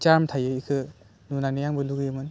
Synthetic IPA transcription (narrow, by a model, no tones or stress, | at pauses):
t͡ʃaɾmtʰajɯikʰɯ | nunanɯjaŋbɯluɡjɯmɯn